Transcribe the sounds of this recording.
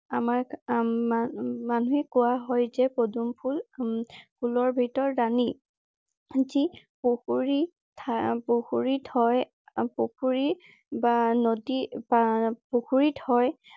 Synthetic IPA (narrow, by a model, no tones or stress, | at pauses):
amaɹ | manuɛkʊwaɦɔjzɛpodumpʰul | pʰulɔɹbʱitɔɹːani | zi | poxuɹi | tʰpoxuɹithɔj | pokʰuɹi | banodiapoxuɹithɔj